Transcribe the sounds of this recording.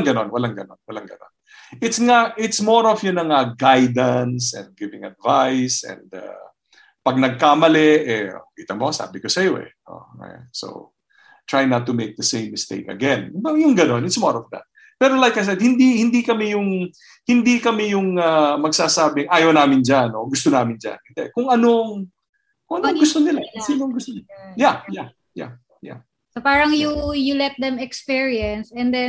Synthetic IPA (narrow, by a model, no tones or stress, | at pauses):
ŋɡɐno̞nwɐlaŋɡɐno̞̰nwɐlaŋɡɐ̰no̰n | ʔɪt̪sŋaʔɪt̪smoɹɔfjʊnɐŋɐɡajd̪ɐnsɛ̰̃nd̪̚ɡɪvɪ̃ŋɐ̰d̪vajsɛ̰̃nd̪a̰ | pɐɡ̚nɐɡ̚kaːmɐlɛʔɛ̰kiːt̪ɐmosa̰ːbɪkosɐjoʔɛ̰ | o̰ɛ̰so̰w | t̪ɹajnɐt̪ːʊmejk̚d̪ɐsẽɪ̃mːɪst̪ḛɪkɐ̰ɡɛ̃nbɐjʊŋɡɐno̞nɪt̪smɔɹɔfd̪a̰t̪̚ | pɛːɾolajkajs̬ɛd̪̚hɪnd̪ihɪnd̪ikɐmɛjʊŋ | hɪnd̪ikɐmɛjʊŋamɐɡ̚saːsaːbɪŋʔaːjɐwnaːmɪnd͡ʒanoɡʊst̪onaːmɪnd͡ʒa̰nkɪnd̪ɛkʊŋʔɐnoŋ | kʊŋʔɐnoɐŋɡʊst̪onɪlasinoŋɡʊst̪ojaja | ja̰ | ja̰ | sopaːɾɐŋjujulɛt̪̚d̪ɛ̃mɛkspiɹiɐ̃nsɛ̃nd̪ɛ